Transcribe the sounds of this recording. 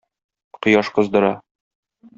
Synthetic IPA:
qŏjɑʃqɤ̆zd̪ɤ̆ɾɑ

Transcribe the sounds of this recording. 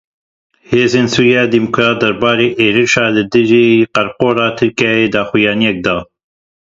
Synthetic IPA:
heːzeːnsuːɾijɑːd̪iːmukʰɾɑːt̪̚d̪ɛɾbɑːɾeːʔeːɾiʃɑːlɨd̪ɨʒiːqæɾqoːɾɑːt̪ʰɨɾkɑːjeːd̪ɑːxujɑːnijɛk̚d̪ɑː

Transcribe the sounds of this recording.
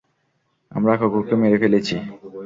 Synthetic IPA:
a̰mɾakʰokukemeɾekelet͡ɕʰi

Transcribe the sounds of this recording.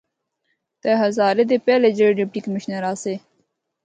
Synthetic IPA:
t̪eɦɐzaːɾed̪epeːled͡ʑeɖipʈikɐmiɕnɐɾaːse

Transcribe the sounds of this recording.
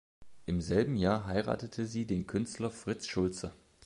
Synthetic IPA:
ʔɪmzɛlbm̩jaːɐɦaɪʁa̰ːtətʰəziːdeːnkʰʏnstlɐfʁ̥ɪt͡sʃʊlt͡sə

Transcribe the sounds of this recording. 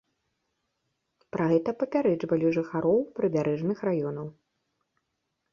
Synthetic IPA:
pɾʔaɣɛt̪ɐpɐpʲaɾɛd͡ʐvɐlʲiʐɨxaɾɔwpɾɨbʲaɾɛʐnɨxrajɔnɐw

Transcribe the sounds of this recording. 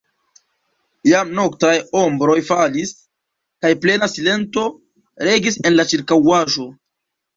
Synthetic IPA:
jamno̞ktajo̞mbɾo̞jfalis | kajple̞nasile̞nto̞ | ɾe̞ɡise̞nlat͡ʃiɾkawaʒo̞

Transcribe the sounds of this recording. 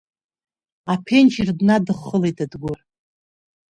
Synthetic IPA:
apʰent͡ʃirdnadɨχːəlejtadɡʷʊr

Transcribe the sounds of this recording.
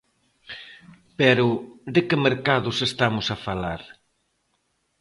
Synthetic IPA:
pɛɾʊd̪ɪkɪmeɾkaðʊsest̪amʊsafalaɾ

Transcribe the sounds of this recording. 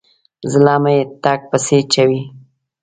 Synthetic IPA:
zɪlɑːmajet̪ɑk̚pəset͡ʃawi

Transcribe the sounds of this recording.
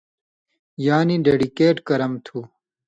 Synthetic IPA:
jaːniɖeːɖikeːʈkɐɾɐmt̪ʰuː

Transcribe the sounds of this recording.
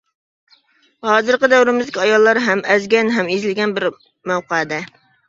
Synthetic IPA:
hɑːzɨɾqəd̪ɛwɾɪmɪzd̪ɪkʲiɑjɑlˠːɑɾɦɛmɛzɡʲɛnɦɛmizɪlɪɡʲɛnbɪɾ | mæwqɑd̪ɛ

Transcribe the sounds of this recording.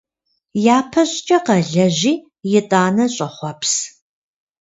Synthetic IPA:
jaːpʰɐɕʼt͡ʃʼɐqɐɮɐʑiː | jɪtʼaːnɐɕʼɐχʷɔpʰs

